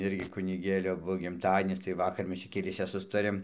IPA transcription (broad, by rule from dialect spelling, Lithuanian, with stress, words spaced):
ˈɪrʲɡʲɪ kʊnʲɪˈɡʲeːlʲoː ˈbuɔ ɡʲɪmˈtɑːdʲiɛnʲɪs tɐɪ ˈʋɑːkɐr ˈmʲɛs t͡ʃʲɛ kʲɛˈlʲiɛsʲɛ ˈsʊstɐrʲeːm